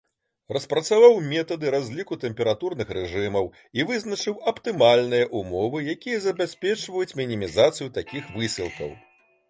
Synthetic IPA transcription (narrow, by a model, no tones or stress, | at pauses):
rɐspɾɐt̪savawmʲɛt̪ɐd̪ɨɾazʲlʲikut̪ɛmpʲɛɾat̪urnɨxɾɛʐɨmɐw | ivɨznɐt͡ʂɨwɐpt̪ɨmalʲnɨjɐʔumɔvɨjakʲijɐzɐbʲasʲpʲɛt͡ʂvɐjut͡sʲmʲinʲimʲizat̪sɨjut̪akʲixvɨsʲilˠkɐ̰w